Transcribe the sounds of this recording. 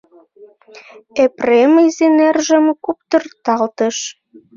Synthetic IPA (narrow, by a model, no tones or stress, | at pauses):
epreməzenærʒə̆mkup̚t̪ɤ̆rt̪ɑlt̪ə̆ʃ